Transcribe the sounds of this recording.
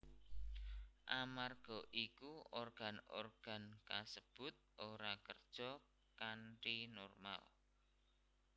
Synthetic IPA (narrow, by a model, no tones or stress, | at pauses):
ʔamarɡ̥ɔʔikuorɡ̥a̤no̰rɡ̥a̤nkasəb̥ʊ̤t̪̚ʔoɾakərd̥ʒ̥ɔ | kaɳʈinɔrma̰l